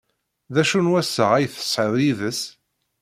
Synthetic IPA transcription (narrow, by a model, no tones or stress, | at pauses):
ðæʃunwæsːəʁæjθə̥sˤħəðˤjiðəs